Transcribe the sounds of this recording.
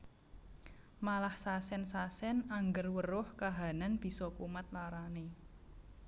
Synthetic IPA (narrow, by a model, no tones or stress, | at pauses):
malahsasɛnsasɛnaŋɡərwərʊhkaɦananb̥i̤sɔkumat̪̚laɾane